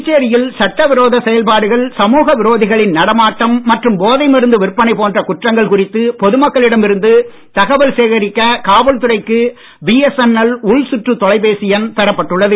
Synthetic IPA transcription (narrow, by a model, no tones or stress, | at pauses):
ɪt͡ʃːeːɾɪjɪlsɐʈːɐʋɪɾoːðɐsɛjɐlpaːɽɯɣɐɭsɐmuːɣɐʋɪɾoːðɪɣɐɭɪnnɐɽɐmaːʈːɐmːɐʈrɯmboːðɐɪmɪɾɯnd̪ɯʋɪrpːɐnɐɪpoːndrɐkʊʈrɐŋɡɐɭkʊrɪt̪ːɯpɔðɯmɐkːɐɭɪɽɐmɪɾɯnd̪ɯ | t̪ɐɣɐʋɐlseːɣɐɾɪkːɐkaːʋɐlt̪ɯrɐɪkːɯ | biːɛsɛnɐlʊɭsʊʈrɯt̪ɔɭɐɪpeːsɪjɐnt̪ɐɾɐpːɐʈːɯɭːɐðɯ